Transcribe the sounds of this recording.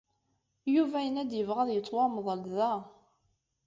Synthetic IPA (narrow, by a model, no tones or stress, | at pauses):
juvæjənæd̪jəvʁəðˤjət͡sˤːwɑmðˤəlðæ